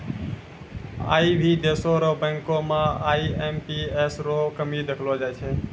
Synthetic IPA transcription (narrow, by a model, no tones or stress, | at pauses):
a̰ːiːʋʱiːd̪eːsoːɾoːbɛ̃ːŋkoːmãːaːiːeːmpiːeːsɾoːkəmiːd̪ekʰloːd͡ʒaːjt͡ʃʰeː